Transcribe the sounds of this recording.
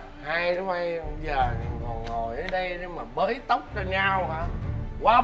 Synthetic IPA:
ha˧jnɔ˨˦ma˧jzəː˨˩ni˨˩ŋɔ˨˩nŋo˨˩jʔəː˨˦jɗə˧jne˧maː˨˩ɓəː˨˦jt̪ə˦˥wk͡p̚t͡ɕɔ˧ɲa˧whaː˧˦kwaː˧

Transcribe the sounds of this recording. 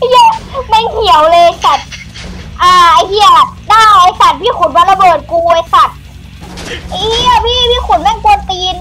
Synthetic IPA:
ja˧˩ma˧˥˩jhi˨˩˦əwlɤː˧jsa˨˩t̪̚ | ʔaː˧ʔa˧˩˦jhi˧˩ə˨˩naː˥˩ʔa˧jsa˨˩t̪̚bʰiː˥˩kʰu˨˦nbɔː˧˦nla˧bɤː˨˩t̪̚kuː˧ʔaː˧˩jsa˨˩t̪̚ | ʔa˧˩jhi˧˥˩ə˨˩pʰiː˧˥˩pʰiː˥˨kʰu˨˩˦nma˧˥˨npu˧˦t̪iː˧n

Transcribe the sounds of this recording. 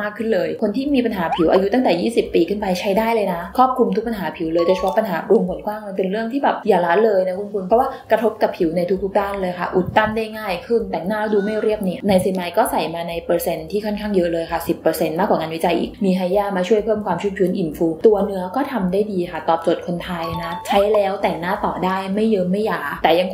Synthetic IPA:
maː˥˩kʰːɯ˥˩nlɤː˧jkʰo˧nt̪ʰiː˥˩miː˧pa˧nɦaː˩˦pʰi˨˩˦wʔaː˧ju˦˥t̪a˥ŋt̪ɛː˨˩jiː˥˩si˨˩pːiː˧kʰɯ˥˩npa˧jt͡ɕʰa˦˥jdaː˥˩jlɤː˧jna˦˥kʰɾɔː˥˩p̚kʰu˧mt̪ʰu˦˥pa˧nɦaː˩˦pʰi˨˩˦wlɤː˧jt͡ɕa˨˩t͡ɕʰpʰɔ˦˥pa˧nɦaː˩˦ɾu˧əŋbo˨˩˦t̚kwaː˥˩ŋlɤː˧jpe˧nɾɯ˥˩əŋt̪ʰiː˥˩bɛː˨˩p̚jaː˨˩laː˦˥lɤː˧jna˦˥kʰu˧nkʰu˧npʰɾɔ˦˥waː˥˩kɾa˧t̪ʰo˦˥p̚ka˨˩pʰi˨˩˦wna˧jt̪ʰu˦˥kt̪ʰu˦˥k̚daː˥˩nlɤː˧jkʰa̰˥˩ʔu˨˩t̪ːa˥˩nda˥˩jŋaː˥˩jkʰɯ˥˩nt̪ɛ˨˩ŋnaː˥˩˦duː˧ma˥˩jɾi˥˩əp̚ni˧˥˩ɐ˨na˧jsiː˨˧˦ma˧jkɔː˥˩sa˨˩jmaː˧na˧jpɤː˧se˧nt̪ʰiː˥˩kʰɔ˥˩nkʰaː˥˩ŋjɤ˦˥ʔlɤː˧jkʰa˥˩si˨˩pːɤ˧se˧nmaː˥˩k̚waː˨˩ŋaː˧nwi˦˥t͡ɕa˧jʔḭː˨˩kmiː˧ɦa˧˥jaː˥˩maː˧t͡ɕʰu˥˩əjpʰɤː˥˩mkʰwaː˧mt͡ɕʰu˦˥p̚t͡ɕʰɯː˦˥nʔi˨˩nfuː˧t̪u˧ɐnɯ˦˥ɐkɔː˥˩t̪ʰa˧mdaː˥˩jdiː˧kʰa˥˩t̪ɔː˨˩p̚t͡ɕo˨˩t̪̚kʰo˧nt̪ʰaː˧jna˦˥t͡ɕʰa˦˥jlɛː˦˥wt̪ɛ˨˩ŋnaː˥˩t̪ɔː˨˩daː˥˩jma˥˩jːɤː˦˥ma˥˩jːaː˨˩t̪ɛː˨˩ja˧ŋ

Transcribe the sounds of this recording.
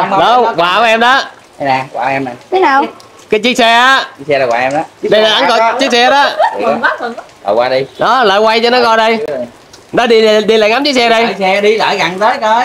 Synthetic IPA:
ɗə˨˦wkwaː˨˩kɔ˨˦ɛ˧mɗɔ˨˦˧ | naː˨˩kaː˧˨˩ʔɛ˧mna˨˩˨ | kaː˨˦jt͡ɕi˦˥k̚sɛ˧ʔaː˦t͡ɕi˦˥sɛ˧laː˨˩kwa̰ː˧ʔɛ˧mɗɔ˨˦ɗi˧laː˨ʔa˨˦nkɔ˧jt͡ɕi˦˥k̚sɛ˧ɗɔ˨˦˨ | lə̰ː˨˩kwaː˧ɗi˧ɗɔ˨˦ləː˨˩jwa˧jt͡ɕɔ˧nɔ˨˦kɔ˧˩jɗə˧j | nɔ˨˦ɗi˧˨ɗi˧laː˨˩ŋa˨˦mt͡ɕi˦˥k̚sɛ˧ɗə˧jɛ˧ɗi˧lə̰ː˧˩jɣa˨˩nt̪əː˨˦jkə˨˦

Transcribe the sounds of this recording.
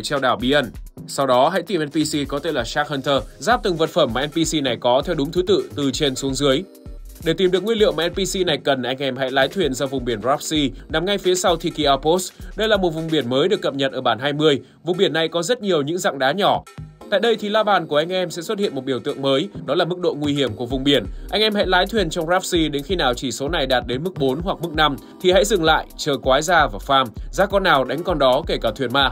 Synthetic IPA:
t͡ɕɛ˧wɗaː˧˩wɓi˧ʔə˧nsa˧wɗɔ˨˦ɦa̰˧˥jt̪i˨˧˩mʔɛ˧npi˧si˧kɔ˨˦t̪e˧laː˨˩saː˦˥k̚hə˧nt̪ʰəː˧zaː˦˥p̚t̪ɨ˨˩ŋvə˨˩t̚fə˧˩mːaː˨˩ʔɛ˧npi˧si˧na˨˩jkɔ˨˦t̪ʰɛ˧wɗʊ˨˦ŋ͡mt̪ʰu˨˦t̪ɨ̰˧˨t̪ɨ˨˩t͡ɕe˧nsu˨˦əŋzɨ˨˦əj | ɗe˧˩t̪i˨˩mɨ˨ək̚ŋwi˧lḭ˧˨mː˨ʔɛ˧npi˧si˧na˨˩jkə˨˩nʔa˧jŋʔɛ˧mɦa̰˧˥jlaː˨˦jt̪ʰwi˧˩˨ənzɔ˧vʊ˨˩ŋ͡mɓi˧˩ənzaː˦˥p̚si˧na˨˩mŋa˧jfi˨˦sa˧wt̪ʰi˧ki˧ʔaː˧po˦˥sɗə˧jlaː˨˩mo˨˩t̚vʊ˨˩ŋ͡mɓi˧˩ənməː˨˦jɗɨ˨˩əkːə˨˩p̚ɲə˨˩t̚ʔəː˧˩ɓaː˧˩nɦaː˧jmɨ˧əj | vʊ˨˩ŋ͡mɓi˧˩ənːa˨˩jkɔ˨˦zə˦˥t̚ɲi˨˩əwɲɨ̰˧˥ŋza̰˧˨ŋɗaː˨˦ɲɔ˧˩t̪a̰ː˧˨jɗə˧jt̪ʰi˨˩laː˧ɓaː˨˩nku˧˩əʔa˧jŋ̟ʔɛ˧msɛ̰˧˥swə˦˥t̚hḭ˧˨ənm˨˩t̚ɓi˧˩əwt̪ɨ̰˧˨əŋməː˨˦jɗɔ˨˦laː˨˩mɨ˦˥k̚ɗo̰˧˨ŋwi˧hi˧˩əmku˧˩vʊ˨˩ŋ͡mɓi˧˩ənʔa˧ŋʔɛ˧mha̰˧˥jlaː˨˦jt̪ʰwi˨˩ənt͡ɕwŋ͡mzaː˦˥p̚si˧ɗe˨˦nxi˧naː˨˩wt͡ɕi˧˩so˨˦na˨˩jɗaː˨˩t̚ɗe˨˦nmɨ˦˥k̚ɓo˨˦nɦwa˨˩k̚mɨ˦˥k̚na˧m | t̪ʰi˨˩ha̰˧˥jzɨ˨˩ŋla̰ː˧˨jt͡ɕəː˨˩kwaː˨˦jzaː˧vaː˨˩faː˧mzaː˧˦kɔ˧nːaː˨˩wɗa˨˦jŋ̟kɔ˧nɗɔ˨˦ke˧˩kaː˧˩t̪ʰwi˨˩ənma̰ː˧˨

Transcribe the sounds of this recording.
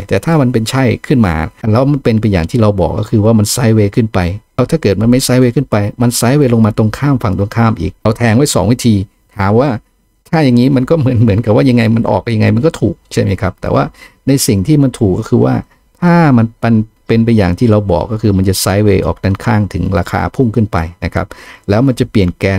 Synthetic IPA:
t̪ɛː˨˩t̪ʰaː˥˩ma˧npe˧nt͡ɕʰa˥˩jkʰɯ˥˩nma̰ː˧lɛː˦˥wma˧npe˧np̬a˧ja̰ː˨˩ŋt̪ʰiː˥˩ɾa˧wbɔ̰ː˨˩kːɔ̰˥˩kʰɯː˧waː˥˩ma˧nsaː˦˥jweː˧kʰɯ˥˩npa˧jlɛː˦˥wt̪ʰaː˥˩kɤː˨˩t̪̚ma˧nma˥˩jsaː˦˥jweː˧kʰɯ˥˩npa˧jma˧nsaː˦˥jweː˧lo˧ŋmaː˧t̪o˧ŋkʰaː˥˩mfa˨˧˩ŋt̪o˧ŋkʰaː˥˩mʔḭː˨˩k̚ɾa˧wt̪ʰɛː˧ŋwaː˥˩˨sɔ̰ː˩˦ŋwi˦˥˩t̪ʰiː˧ | t̪ʰaː˨˩˦mwaː˥˩ | t̪ʰaː˥˩ja˨˩ŋːiː˦˥ma˧nkɔː˥˩mɯ˩˦ənmɯ˨˩˦ənka˨˩waː˥˩ja˧ŋːa˧jma˧nʔɔ̰ː˨˩k̚ja˧ŋːa˧jma˧nk̬ɔː˥˩t̪ʰuː˨˩k̚t͡ɕʰa˥˩jma˦˥jkʰa˦˥p̚t̪ɛ̰ː˨˩wa̰ː˥˩na˧jsi˨˩ŋt̪ʰiː˥˩ma˧nt̪ʰuː˨˩kːɔː˥˩kʰɯː˧wa̰ː˥˩ | t̪ʰaː˥˩ma˧nma˧npe˧np̬a˧jːa̰ː˨˩ŋt̪ʰiː˥˩ɾa˧wbɔ̰ː˨˩kːɔː˥˩kʰɯː˧ma˧nt͡ɕa˨˩saː˦˥jweː˧ʔɔ̰ː˨˩k̚da˧˥˩nkʰaː˥˩ŋt̪ʰɯ˩˦ŋɾa̰ː˧kʰa̰ː˧pʰu˥˩ŋkʰɯ˥˩npa̰˧jna̰˦˥kʰa̰˦˥p̚lɛː˦˥wma˧nt͡ɕa˨˩pli˨˩ənkɛː˧n

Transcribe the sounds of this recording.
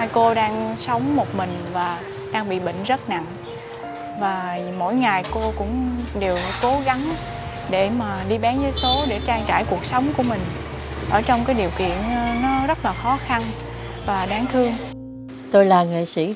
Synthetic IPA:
a˧jko˧ɗaː˧ŋsə˨˦wŋ͡mmo˨˩t̚mï˨˩ŋ̟vaː˨˩ | ɗaː˧ŋɓḭ˧˨ɓḭ˧˨ŋ̟zə˦˥t̚na̰˧˨ŋ | vaː˨˩mo̰˧˥˨jŋa˨˩jko˧kʊ̰˧˥ŋ͡mɗe˨˩wko˨˦ɣa˨˦ŋ | ɗe˧˩maː˨˩ɗi˧ɓaː˨˦nzəː˨˦jso˨˦ɗe˧˩t͡ɕaː˧ŋt͡ɕa̰ː˧˩jku˨˩ək̚sə˨˦wŋ͡mku˧˩əmï˨˩ŋ̟ | ʔəː˧˩t͡ɕɔ˧wŋ͡mkaː˨˦jɗi˨˩əwkḭ˧˨ən˧nɔ˨˦zə˦˥t̚laː˨˩xɔ˨˦xa˧n | vaː˨˩ɗaː˨˦ŋt̪ʰɨ˧əŋ | t̪o˧jlaː˨˩ŋḛ˧˨si˧˩

